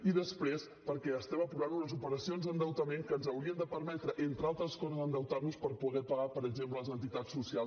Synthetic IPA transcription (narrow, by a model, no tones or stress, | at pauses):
iðəspɾes | pəɾkɛəst̪ɛməpɾuβanunəzupəɾəsionzðd̪ənd̪əwt̪əmeŋkənzəwɾiənd̪əpəɾmɛt̪ɾəʔent̪ɾəalˠt̪ɾəskɔzəzənd̪əwt̪auspəɾpuɣɛpəɣapəɾəɡzempləlˠəzənt̪it̪at͡sːusialˠ